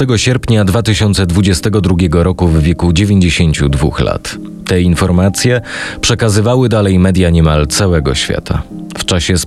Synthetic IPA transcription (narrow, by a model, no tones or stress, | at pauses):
t̪ɛɡɔɕɛɾpɲad̪vat̪ɘɕɔnt̪sɛd̪vud͡ʑɛst̪ɛɡɔd̪ɾuɡʲjɛɡɔɾɔkuvːʲjɛkud͡ʑevʲjeɲd͡ʑeɕeɲt͡ɕud̪vṵxla̰t̪ | t̪ɛinfɔɾmat̪sʲjɛpʂɛkazɘvawɘd̪alɛjmɛd̪jaɲɛmalt̪sawɛɡɔ̰ɕfʲja̰t̪ʰa̰ | ft͡ʂaɕɛs